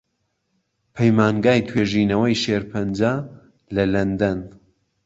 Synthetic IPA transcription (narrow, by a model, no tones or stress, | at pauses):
pʰɐjmaːnɡaːjt̪ʰweːʒiːnɐwɐjʃeːɾpʰɐnd͡ʒa | lɐlɐnd̪ɐn